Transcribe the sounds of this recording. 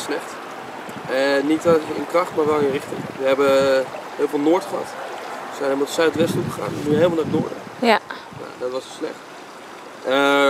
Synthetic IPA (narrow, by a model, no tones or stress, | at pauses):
slɛχt | ənitɪ̰nkrɑχtmaːɹʋɛlˠɪnrɪχtɪ̰ŋʋəɦɛbə | ɦɪːlˠvɪːlˠnʊːɹtχəɦɑ̰tsɛnɛbənɔtsœɥtʋɛstuχəχa̰ːnɛnyɦeːlmalnaːdʊ̰ːɹdə̰ | ja̰dɑtʋɑsslɛ̰χt | ə